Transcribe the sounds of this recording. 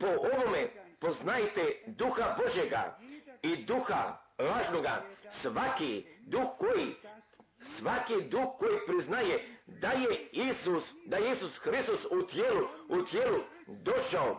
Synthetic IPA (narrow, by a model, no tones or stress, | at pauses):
po̞ʔoʋo̞mepo̞znajt̪ed̪uxabo̞ʒjeɡa̰id̪uxa̰lˠaːʒnoɡa̰sʋakid̪uxkoji | sʋakid̪uxko̞jipɾiznajed̪ajeiusd̪ajeisusxɾist̪osut̪jeːluut̪jeːlu | d̪o̞ʃao